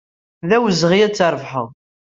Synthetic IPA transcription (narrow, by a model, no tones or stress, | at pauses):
ðæwəzʁijæt͡sːəɾˤvħə̰ðˤ